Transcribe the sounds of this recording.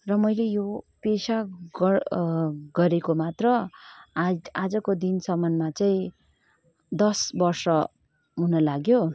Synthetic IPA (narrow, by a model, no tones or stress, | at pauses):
rʌmʌjlejopesa | ɡʌɾekomat̪rʌ | ad͡zʌkod̪insʌmʌnmat͡sʌĩ | d̪ʌsbʌrsʌ | ɦunʌlaɡjo